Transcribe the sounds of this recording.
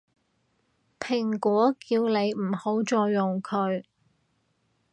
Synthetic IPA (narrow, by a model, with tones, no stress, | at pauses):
pʰɪ˨˩ŋkʷɔː˨˥kiː˧wne˨˧jm̩˨˩ho˨˥wt͡ʃɔː˧jːʊ˨ŋkʰɵ˨˧ɥ